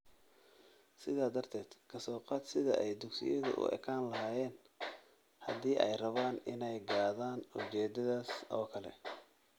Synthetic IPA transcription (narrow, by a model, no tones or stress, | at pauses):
sɪðaːd̪ɐrt̪ʰɛːd̪̥kʰɐsɔːqɑːd̪sɪðɐ̰ʔɛjd̪ʊɡsɪ̰jɐðʊ̰ʔʊ̰ʔɛ̰kʰaːnlɐɦaːjɛːn | hɐ̰d̪iːʔɛjrɐβaːnɪnɛjɡaːðaːnʊt͡ʃɛːd̪ɐðaːsɔːkʰɐlɛ̰